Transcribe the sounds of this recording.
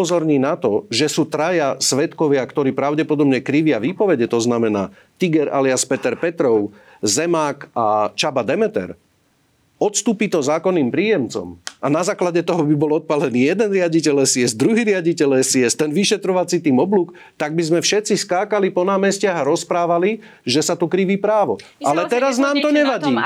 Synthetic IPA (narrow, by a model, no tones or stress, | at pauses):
ɔzɔɾɲiːnat̪ɔʒɛsuːt̪ɾajasʋɛt̪kɔʋɪakt̪ɔɾiːpɾaʊɟɛpɔd̪ɔbɲɛkɾiʋɪaʋiːpɔʋɛɟɛt̪ɔznamɛnaː | t̪iɡɛɾʔa̰liaspɛt̪ɛɾpɛt̪ɾɔʊ | zɛmaːkat͡ʃabad̪ɛmɛt̪ɛ̰ɾ | ɔt̪st̪uːpit̪ɔzaːkɔnːiːmpɾiːjɛmt͡sɔ̰manazaːklaɟɛt̪ɔɦɔbibɔlɔt̪̚palɛniːjɛd̪ɛnɾɪaɟicɛlɛsiɛzd̪ɾuɦiːɾɪaɟicɛlɛsiɛst̪ɛnʋiʃɛt̪ɾɔʋat͡sit̪iːmɔbluːk | t̪aɡ̚bizmɛfʃɛt̪t͡siskaːkalipɔnaːmɛscɪaɦaɾɔspɾaːʋali | ʒɛsat̪ukɾiʋiːpɾaːʋɔ | alɛt̪ɛɾaznaːmt̪ɔɲɛʋaɟiː